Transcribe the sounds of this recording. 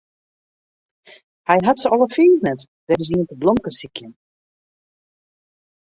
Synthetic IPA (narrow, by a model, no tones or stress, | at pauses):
hɛjɦatsəɔlˠəfiːlnɛt | d̥ɛrɪziəntəblɔmkəsikjən